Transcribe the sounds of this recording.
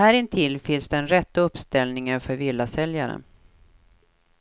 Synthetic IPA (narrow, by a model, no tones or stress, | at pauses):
æːɾɪnt̪ʰɪlfɪnsd̪ɛnɾɛt̪ːaɵpst̪ɛlnɪŋənfœɾvɪlːasɛljaɾə̰n